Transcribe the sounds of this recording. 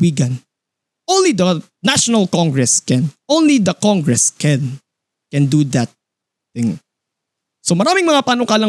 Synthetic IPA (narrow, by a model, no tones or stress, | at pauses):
wiɡɐ̃n | ʔõwnlid̪ɐ | naʃonɐlkɔ̃ŋɡɹɛskɛ̃nõwnlid̪ɐkɔŋɡɹɛskɛn | kɛnd̪ud̪ɐt̪̚ | θɪ̃ŋ | somɐɾaːmɪŋmɐŋapaːnokaːlɐ